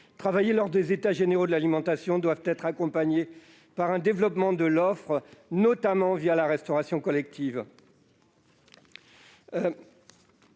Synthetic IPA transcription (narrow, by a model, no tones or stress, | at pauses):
t̪χavajelɔʁd̪ezet̪aʒeneʁod̪əlalimɑ̃t̪asjɔ̃d̪wavt̪ɛt̪χakɔ̃paɲe | paʁɛ̃d̪evlɔpmɑ̃d̪əlɔfχnɔt̪amɑ̃vjalaʁɛst̪ɔʁasjɔ̃kɔlɛk̚t̪ʰiv